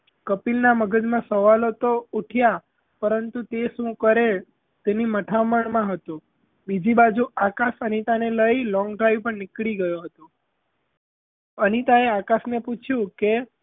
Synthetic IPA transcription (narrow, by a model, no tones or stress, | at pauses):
kəpilnaməɡəd͡ʒmãsəʋalot̪ouʈʰja | pəɾənt̪ut̪eʃũkəɾel | t̪eniməʈʰaməɳmãɦət̪o | bid͡ʒibad͡ʒuakaʃənit̪aneləilɔ̃ŋɡɖɾajʋpəɳnɪkɭiɡəjoɦət̪o | ənit̪aeakasneput͡ʃʰjũke